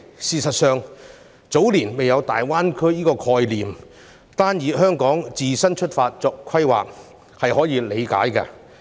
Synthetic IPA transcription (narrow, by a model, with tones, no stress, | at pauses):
siː˨sɐ˨t̚sœː˨ŋ | t͡so˨˥wliː˨˩nme˨jɐ˨˧wt̪a̰ː˨jwaː˥nkʰɵ˥ɥjiː˥kɔː˧kʰɔː˧jliː˨m | t̪aː˥njiː˨˧˥ɦœː˥ŋkɔː˨˥ŋt͡siː˨sɐ˥nt͡ʃʰɵ˥t̚faː˧t̚t͡sɔː˧kkʰːɐ˥jwa̰ː˨k̚ | hɐ˨jhɔː˨˥jiː˨˧le˨˧jka̰ː˨˥jkɐ̰˧